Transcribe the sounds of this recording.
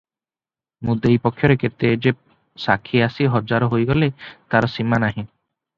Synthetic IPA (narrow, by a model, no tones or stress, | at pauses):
mud̪ejpɔkʰːjɔɾeket̪ed͡ʒe | sakʰːiasiɦɔd͡ʒaɾɔɦojɡɔlet̪aɾɔsimanaɦĩ